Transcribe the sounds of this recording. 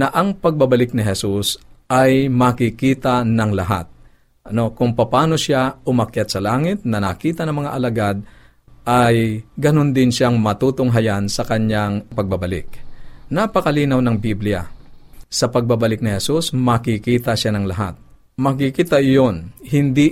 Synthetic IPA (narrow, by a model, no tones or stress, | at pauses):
nɐʔɐŋpɐɡ̚babɐlɪk̚nɪɦɛsusʔajmɐkɪkiːt̪anɐŋlɐɦa̰t̪̚ | ʔɐno̞kʊŋpɐpaːnosaʊmɐkjat̪̚sɐlaːŋɪt̪̚nɐnɐkiːt̪ɐnɐŋmɐŋaʔɐlɐɡad̪̚ | ʔajɡɐnond̪ɪnʃaŋmɐt̪uːt̪ʊŋɦajansɐkɐɲaŋpɐɡ̚bɐbɐlɪ̰k̚napɐkɐliːnɐwnɐŋbiblɪja̰sɐpɐɡ̚babɐlɪk̚nɪhɛsusmɐkikiːt̪ɐʃanɐŋlɐɦa̰t̪̚ | mɐk̬ikiːt̪ɐʔɪjonhɪnd̪i